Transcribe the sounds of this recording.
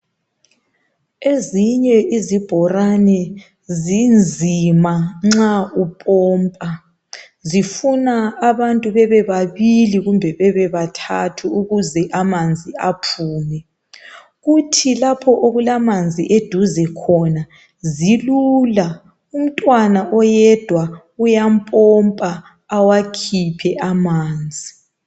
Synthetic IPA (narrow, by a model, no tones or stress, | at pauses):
eziɲɛʔizib̥ʱɔranɛ | zind͡zʱimaŋ͡ǁaupʼɔːmpʼa | zifunaːβantʼuβɛβɛβaβiliɣumbʱɛβɛβɛβatʰatʰuuɣuzɛʔamand͡zʱiapʰuːmɛ | ɣutʰilapʰɔʔoɣulamand͡zʱiʔed̥ʱuzɛkʰɔna | zilula | um̩tʼwanaʔɔjɛd̥ʱwa | ujampʼɔmpʼaː | wakʰipʰɛʔamaːnd͡zʱi